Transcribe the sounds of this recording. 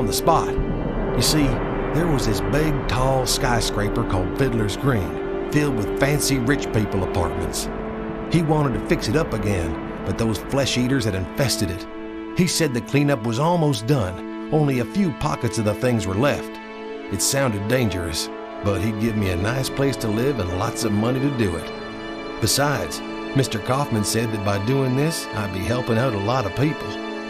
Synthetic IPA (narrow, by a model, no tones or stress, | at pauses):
n̩ðəspɑt̚ | jɨsi | ðə˞wʌzðɪsbɪɡ̚tʰɔlˠskaɪskɹeɪpə˞kʰɔlˠd̥fɪdˡlə˞zɡɹĩn | fɪlˠd̚wɨð̥fæ̃nsiɹɪt͡ʃpipl̩ˠəpʰɑ̰ɹt̚mɨ̰̃nts | hiwɑ̃ɾ̃ɨd̚tɨfɪksɨɾʌpɨɡɛ̃n | b̥ʌt̪̚ðoʊz̥flɛʃiɾə˞z̥ɨɾɨ̃ɱfɛstɨɾɨt̚ | hisɛd̪̚ðɨkʰl̥ĩnʌpwʌzɔlˠmoʊsd̥ʌ̃n | õʊ̃nliɨfjʉpʰɑ̰kɨtsʌvðəθɪ̃ŋzwə˞lɛft | ɨtsãʊ̃ndɨdẽɪ̃nd͡ʒə˞ɨs | b̥ʌt̚hiɡɪvmiɨnaɪspʰl̥eɪstʰəlɪvə̃nlɑ̰tsʌvmʌniɾɨdɨɪ̰t̚ | b̥ɨsaɪdz̥ | mɪstə˞kʰɑfmɨ̃nsɛd̪̚ðɨt̚b̥aɪdʉɪ̃ŋðɪs | a̰ɪd̚biɦɛlˠpɪ̃ŋaʊɾəlɑɾʌv̥pipl̩ˠ